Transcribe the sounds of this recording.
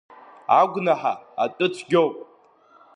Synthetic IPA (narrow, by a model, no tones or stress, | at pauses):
aɡʷnaħa̰atʼɨt͡sʷʰɡʲowpʼ